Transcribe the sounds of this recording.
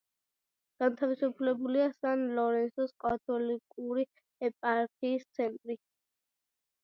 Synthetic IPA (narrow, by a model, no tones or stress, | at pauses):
ɡ̥ant̪ʰavisupʰlɛbuliasanlɔɾɛnsɔskʼat̪ʰɔlikʼuɾi | ɛpʼaɾkʰiːst̪sʰɛnt̪ʼɾi